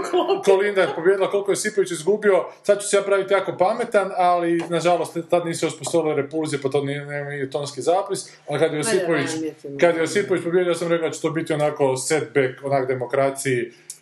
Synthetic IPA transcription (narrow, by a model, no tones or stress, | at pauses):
kolind̪apobjed̪ilako̞lˠkojesipoʋit͡ʃizɡubio̞sad̪̚t͡ʃe̥sejapɾaʋit̪ijaːko̞pamet̪analinaʒalost̪t̪ːad̪niːsuuspost̪oʋileɾepulzijepat̪oninemiet̪onskizaːpis | alikad̪jeosipoʋit͡ʃkad̪jeosipoʋit͡ʃpobjed̪ijosamɾekaod̪at͡ʃe̥t̪oːbit̪ionaːko̞sed̪̚bekonaːkd̪e̞mokɾat̪siji